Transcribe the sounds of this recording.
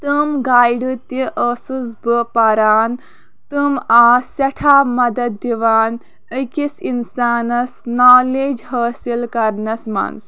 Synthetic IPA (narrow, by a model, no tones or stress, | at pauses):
t̪ɨmɡaːjɖɨt̪ĩʔəːsɨzbəpɐɾaːn | t̪ɨmaːsɐʈʰaːmɐd̪ɐd̪̚ːiʋaːn | əkisinsaːnɐsnaːleːd͡ʒɦɐːsilkɐɾnɐsma̰ns